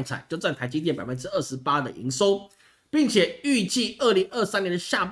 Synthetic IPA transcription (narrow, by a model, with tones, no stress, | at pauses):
ŋt͡sʰa̰˨˩˦t͡ɕjo˥˧ʊt͡sa˥˩nt̪ʰa˧˥ɪt͡ɕi˥t̪̬ɛ˥˩npa˨˩fə˦nʈ͡ʂɻ̩˥ə˥˩ʂɻ̩˧˥pa˥d̪ə˨ʔḭ˧˥ŋso˥ʊ | pi˥˩ŋt͡ɕʰjɛ˨˩y˥˧t͡ɕi˥˧ʔə˥˩li˨˥ŋə˥˩sa˥njɛ˧nd̪ə˧ɕja˥˧˩p